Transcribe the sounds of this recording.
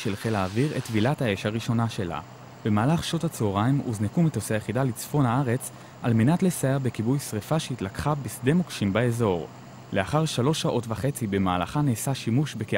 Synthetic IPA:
ʃelχelaːviʁetvilathaeʃaʁiʃo̞naʃe̞la̰ | be̞maːlaχʃo̞tat͡seoʁaimṵznekumitoseajeχidalit͡sfo̞nhaaʁe̞t͡s | alme̞natle̞sajeʁbekibujsʁifaʃeitlakχabisde̞mokʃimbaezo̞ʁ | le̞aχaʁʃalo̞ʃaʔo̞tvaχe̞t͡sibe̞maːla̰χaneːsaʃimuʃbeke

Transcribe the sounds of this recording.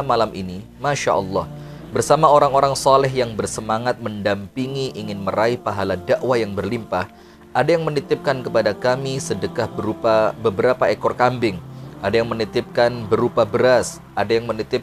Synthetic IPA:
malamʔini | maʃa̰ʔɔlːɑh | bərsamaoɾaŋoɾaŋsɑlɛɦjaŋbərsəmaŋat̪̚məndampiŋiʔiŋɪnməɾaipaɦaladaʔwajaŋbərlimpah | ʔadajaŋmənit̪ɪp̚kankəpadakamisədəkahbəɾupabəbəɾapaekɔrkambɪŋadajaŋmənit̪ɪp̚kanbəɾupabəɾas | ʔadajaŋmənit̪ɪp̚

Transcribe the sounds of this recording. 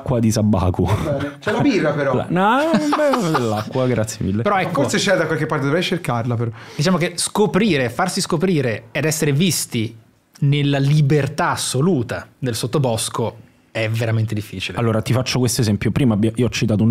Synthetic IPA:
kːwad̪isabːa̰ːkut͡ʃlabirːapeɾɔ̰nɔbɛb̪elːakːwaɡɾat̪sjemilːepeɾɔɛkːset͡ʃɛd̪akwalkepːaɾt̪ed̪ovɾɛjt͡ʃerkarlapeɾɔd̪it͡ʃaːmokeskopɾiːɾefarsiskopɾiːɾeed̪ɛsːeɾevist̪i | nelːalibert̪asːoluːt̪ad̪elsot̪ːobɔsko | ɛveɾament̪ed̪ifːiːt͡ʃilḛalːoːɾat̪ifat͡ʃːokwest̪oezɛmpjopɾiːmabːjʔioɔt͡ʃːit̪aːou

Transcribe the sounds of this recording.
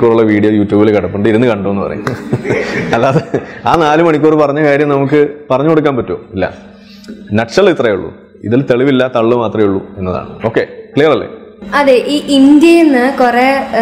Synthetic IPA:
kʲːuːruɭːɐʋiːɽijoːjuːtːjuːbilekɐɽɐpːuɳɖɨiɾunːɨkɐɳɖoenːɨpɐrɐ̰jṵm | ɐlːaːðeaːnaːlumɐɳikʲːuːrɨpɐrɐɲːɐkaːɾjɐmnɐmuk̬ːɨpɐrɐɲːuko̞ɽuk̬ːaːnpɐtːo̰ːilːɐ̰ | nɐʈʂɐlit̪rɐjuɭːṵ | ḭðilt̪eɭiʋilːɐt̪ɐɭːɨmaːt̪rɐjuɭːue̞nːɐða̰ːɳɨ̰o̞ːkːe̞klijɐrɐlːḛ | ɐðeʔiːʔind̪jɐjenːɨkureː

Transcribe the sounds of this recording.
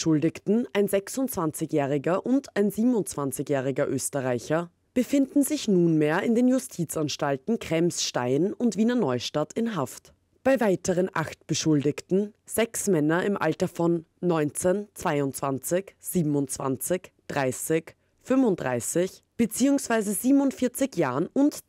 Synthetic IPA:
ʃʊldɪktn̩ʔaɪnzɛksʊnt͡sv̥ant͡sɪçjɛːʁɪɡɐʔʊntʰaɪnziːbm̩ʊnt͡sv̥ant͡sɪkjɛːʁɪɡɐʔøːstəʁaɪçɐ | b̥əfɪndn̩zɪçnuːnmeːɐɪndeːnjʊstʰiːt͡sanʃtaltn̩kʁ̥ɛmsʃtaɪnʊntv̥iːnɐnɔʏʃtatʰɪnɦaft | b̥aɪvaɪtəʁənʔa̰xtb̥əʃʊldɪktn̩z̥ɛksmɛnɐɪmʔa̰ltɐfɔnːɔʏnt͡sent͡sv̥aɪʊnt͡sv̥ant͡sɪçz̥iːbm̩ʊnt͡sv̥a̰nt͡sɪçd̥ʁaɪsɪç | fʏmvʊntdʁa̰ɪsɪçb̥ət͡siːʊŋsv̥aɪzəziːbmʊntfɪɐt͡sɪkjaːʁənʊnt

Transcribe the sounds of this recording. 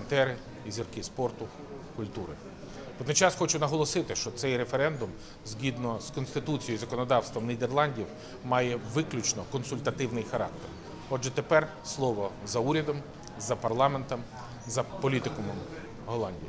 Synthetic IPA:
nt̪ɛɾɪ | izʲirkɪspɔrt̪ʊ | kʊlʲt̪uɾɪ | pɔd̪nɪjt͡ʃɑsxɔt͡ʃʊnɐɦɔlˠɔsɪt̪ɪʃt͡ʃɔt̪sɛjɾefeɾɛnd̪ʊm | zʲɦʲid̪nɔzkɔnst̪ɪt̪ut͡sʲijɔjizɐkɔnɔd̪ɑwst̪ʋɔmnʲid̪erlˠɑnʲdʲiw | mɑjɛʋɪklʲʊt͡ʃnɔkɔnsʊlʲt̪ɐt̪ɪwnɪjxɐɾɑk̚t̪er | ɔdʒɛt̪epɛr | slˠɔʋɔzɐuɾʲɐd̪ɔm | zɐpɐrlˠɑment̪ɐm | zɐpɔlʲit̪ɪkɔmm | ɦɔlˠɑnʲdʲij

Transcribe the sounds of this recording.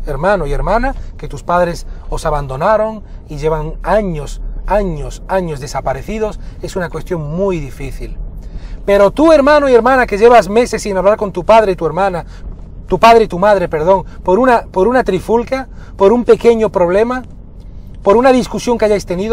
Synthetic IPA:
eɾmãnoie̞ɾmãnaket̪uspaðɾe̞sosaβand̪o̞naɾo̞ŋ | iʝe̞β̞aŋaɲosaɲosaɲo̞zðe̞sapaɾe̞θið̞o̞se̞sunakwe̞st̪jo̞ŋmujðifiθilpe̞ɾo̞t̪ue̞ɾmãnoie̞ɾmãnakeʝeβazme̞se̞sːinaβlaɾko̞nt̪upað̞ɾeit̪ue̞ɾmãna | t̪upaðɾeit̪umað̞ɾepe̞ɾð̞o̞ŋpoɾunapoɾunat̪ɾifulkjapo̞ɾumpe̞ke̞ɲo̞pɾo̞β̞le̞ma | po̞ɾunaðiskusjo̞ŋkeaʎajst̪e̞niðo

